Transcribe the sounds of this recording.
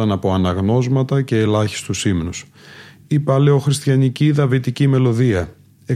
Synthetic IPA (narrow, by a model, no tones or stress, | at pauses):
ɐnɐpo̞ɐnɐɣno̞zmɐt̪ɐce̞ːlɐçi̥st̪usimnus | ipɐle̞o̞xɾist̪çɐniciðɐvit̪icime̞lo̞ðiɐ | e